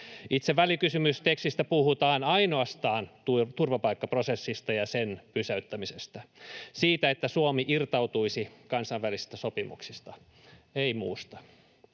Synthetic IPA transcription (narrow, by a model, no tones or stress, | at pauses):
it̪seʋːælikysymyst̪ekst̪ist̪æpuhut̪ɑːnɑinoɑst̪ɑːnt̪ut̪urʋɑpɑikːɑprosesːist̪ɑjɑsenpysæyt̪ːæmisest̪æsiːt̪æet̪ːæsuomiʔirt̪ɑut̪uisikɑnsɑiʋʋælisi̥st̪æsopimṵksist̪ɑ | eimṵːst̪ɑ̥